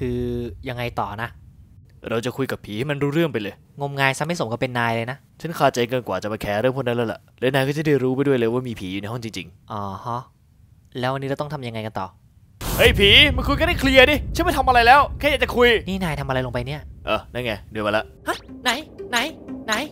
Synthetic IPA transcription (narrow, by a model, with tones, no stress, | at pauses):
kʰɯː˧ja˧ŋːa˧jt̪ɔː˨˩na˦˥ | ɾa˧wt͡ɕa˨˩kʰu˧jka˨˩pʰiː˨˦ha˥˩ma˧nɾuː˦˥ɾɯ˥˩əŋpa˧jlɤː˧j | ŋo˧mŋaː˧jsa˦˥ma˥˩so˩˦ŋkɔː˥˩pe˧nːaː˧jlɤː˧jna˦˥ | t͡ɕʰa˦˥nkʰaː˧˩t͡ɕa˧jkɤː˧nkwaː˨˩t͡ɕa˨˩maː˧kʰɛː˦˥ɾɯ˥˩əŋpʰo˧˥na˦˥la˦˥la̰˨˩lɛː˦˥wnaː˧jkɔː˥˩t͡ɕa˨˩˦da˥˩jɾuː˦˥pa˧jdu˥˩əjlːɤː˧˩jwaː˥˩miː˧pʰiː˨˩˦ju˨˩na˧˦jɦɔ˥˩ŋt͡ɕi˧ŋt͡ɕḭ˧ŋʔɔː˧˩hɔ˦˥ | lɛː˦˥wa˧nːi˦˥ɾt̪ɔ˥˩ŋt̪ʰa˧mja˧ŋa˧jka˧nt̪ɔː˨˩ | hɤ˦˥˩jpʰiː˨˩˦ma˧˩ku˧jkɔ˥˩ɾa˥˩jkʰli˧ədiː˧˩t͡ɕʰa˥˩nma˥˩jt̪ʰa˧mʔa˧ɾa˧jlɛː˦˥wkʰɛː˥˩ja˨˩t͡ɕa˨˩kʰu˧jniː˥˩naː˧jt̪ʰa˧mʔa˧ɾa˧jlo˧pa˧jni˥˩ɐʔəː˨˩na˦˥˩ŋaː˧˩dɯ˧əma˧la˦˥ʔha˦˥˩na˨˦jna˧˦jna˨˧˦j